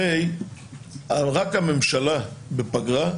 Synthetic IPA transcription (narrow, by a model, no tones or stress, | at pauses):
ej | alʁakhame̞mʃalabepaɡʁa